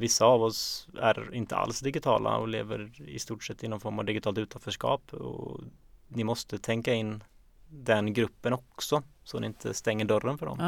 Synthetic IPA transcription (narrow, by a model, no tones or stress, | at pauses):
vɪsːaːvɔsæ̰ɾɪnt̪ʰəa̰lsd̪ɪɡɪt̪ʰɑ̰ːlʔa̰ɔ̰leːvəɾɪ̰st̪uːʈʂɛt̪ːɪnːɔnfɔɾmɑvd̪ɪɡɪt̪ʰɑːlt̪ʉːt̪ʰanfœʂkɑ̰ːpɔ̰ | nɪmɔst̪ət̪ʰɛŋkaɪnː | d̪ɛnɡɾɵpːənɔksɔsɔnɪɪnt̪ʰə̰st̪ɛŋːəɖœɾːənfœɖɔ̰m